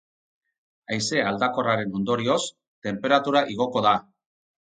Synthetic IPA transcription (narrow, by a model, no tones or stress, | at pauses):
ajse̞ald̪ako̞raɾe̞no̞nd̪o̞ɾio̞s | t̪e̞mpe̞ɾat̪uɾaʔiɣ̞o̞ko̞ða